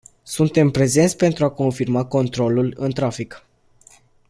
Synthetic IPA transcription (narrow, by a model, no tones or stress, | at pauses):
sunt̪e̞mpɾe̞ze̞nt̪sʲpe̞nt̪ɾuako̞nfirmako̞nt̪ɾo̞lulɨnt̪ɾafik